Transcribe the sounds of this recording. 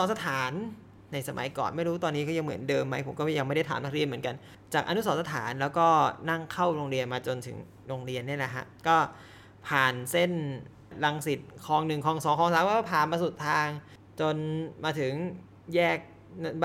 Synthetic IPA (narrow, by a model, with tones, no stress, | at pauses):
sɔ˨˦nsa˧t̪ʰaː˩˦nː | a˧jsa˧ma̰˩˦jkɔ̰ː˨˩nma˥˩jɾuː˦˥t̪ɔː˧nːiː˦kɔː˥˩ja˧ŋmɯ˩˦əndɤː˧mːa˦˥jpʰo˩˦mkɔ˥˩˥ja˧ŋma˥˩jda˥˩t̪ʰaː˨˦naː˥˩ɾi˧nm˩˦ənka˧n | t͡ɕaː˨˩k̚ʔa˧nu˦˥sɔː˨˦˥sa˧t̪ʰa̰ː˩˦nlɛː˦˥wkɔː˥˩na˥˩ŋkʰa˥˩wɾoː˧ŋɾi˧ənmaː˧t͡ɕo˧nt̪ʰɯ̰˨˩˦ŋ | ɾo˧ŋɾi˧ənːi˥˩ɐla˨˩kʰa̰˦˥ʔkɔː˥˩ | pʰaː˨˩nse˥˩n | ɾa˧ŋsi˨˩t̪̚kʰɔː˧ŋnɯ˨˩ŋkʰɔː˧ŋsɔː˨˦kʰːŋsaː˨˦˥wkɔ˥˩pʰaː˨˩nmaː˧su˨˩t̪ʰːaː˧ŋ | t͡ɕo˧nmaː˧t̪ʰɯ˩˦ŋ | jɛː˥˩k̚ | n˧˩